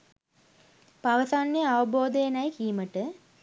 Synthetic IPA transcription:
paʋəsanːeaʋəboːd̪əjenɐjkiːməʈə

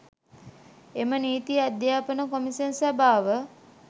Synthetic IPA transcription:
eməniːt̪ijad̪jaːpənəkomisənsabʱaːʋə

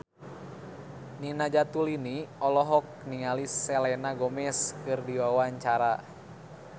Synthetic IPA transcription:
ninad͡ʒat̪uliniɔlɔɦɔk̚niŋalisːɛlɛnaɡɔmɛskɨrdiwawaɲt͡ʃaɾa

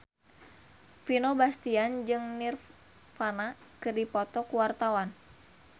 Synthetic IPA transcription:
finobast̪iand͡ʒɨŋnir | fanakɨrdipɔt̪ɔkuwart̪awan

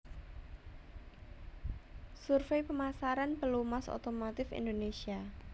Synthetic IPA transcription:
surfejpəmasaɾanpəlumaso̰t̪omot̪ɪfḭnd̪onesia

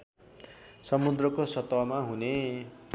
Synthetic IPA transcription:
sʌmud̪rʌkosʌt̪wamaɦune

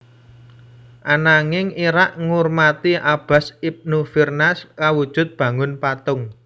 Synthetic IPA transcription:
ʔanaŋɪŋiɾaʔŋurmat̪iʔab̥a̤sip̚nufirnaskawud̥ʒ̥ʊ̤t̪̚b̥ä̤ŋʊnpat̪ʊŋ

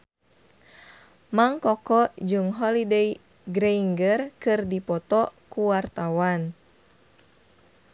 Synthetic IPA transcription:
maŋkɔkɔʔd͡ʒuŋɦɔlidej | ɡɾeiŋɡərkɨrdipɔt̪ɔkuwart̪awan

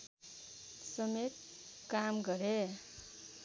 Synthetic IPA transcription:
sʌmet̪̚ | kamɡʌɾe

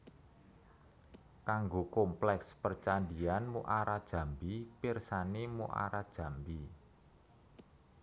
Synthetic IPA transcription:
kaŋɡokɔmplɛkspərt͡ʃandianmuʔaɾad̥ʒ̥ä̤mbipirsanemuʔa̰ɾad̥ʒ̥a̤mbi

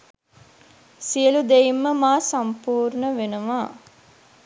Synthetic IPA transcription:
siəlud̪eimːəmaːsɐmpuːɾnəʋenəʋaː

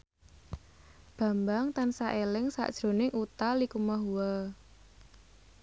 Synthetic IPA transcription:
b̥ä̤mbaŋt̪ansaʔelɪŋsa̰ʔd̥ʒ̥ɾo̤nɪŋʔut̪alikumaɦuwa

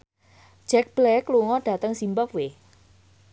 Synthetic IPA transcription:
ʒ̥ɛk̚b̥lɛkluŋɔɖ̥a̤t̪əŋsimpəkwe

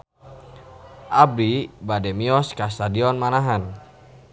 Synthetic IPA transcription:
ʔabɾibadɛmiɔskas̬t̪adiɔnmanaɦan

